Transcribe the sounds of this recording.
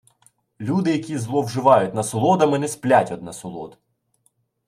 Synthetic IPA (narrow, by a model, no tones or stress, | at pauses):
lʲud̪ɪjɐkʲizlˠɔwʒɪʋɑjʊt̚ʲnɐsɔlˠɔd̪ɐmɪnɛsplʲatʲɔd̪nɐsɔlˠɔ̰d̪